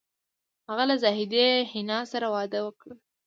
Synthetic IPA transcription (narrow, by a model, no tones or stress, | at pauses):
haɣalazɑɦɪd̪ehɪnɑsaɾawɑd̪əwəkɽə